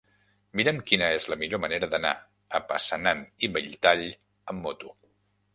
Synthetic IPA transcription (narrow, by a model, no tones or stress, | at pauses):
miɾəmkinəezləmiʎoməneɾəðəna̰ | əpəsənaniβəʎt̪aʎ | əmːot̪u